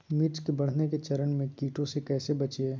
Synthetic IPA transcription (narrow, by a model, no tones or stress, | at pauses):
mɪʈskebɐɽ̤neket͡ʃɐɾənmẽkiːʈõsekɛːsebɐt͡ʃeː